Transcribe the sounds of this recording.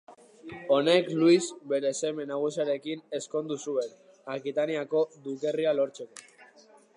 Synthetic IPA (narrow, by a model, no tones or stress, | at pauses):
o̞ne̞kluisbe̞ɾe̞se̞me̞naɣ̞usiaɾe̞kine̞sko̞nd̪usue̞n | akit̪aniako̞d̪uke̞rialo̞ɾt͡se̞ko